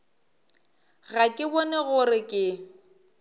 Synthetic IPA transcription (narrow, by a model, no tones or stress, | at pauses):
ɣakʼɪbɔnɛɣʊrɪkʼɪ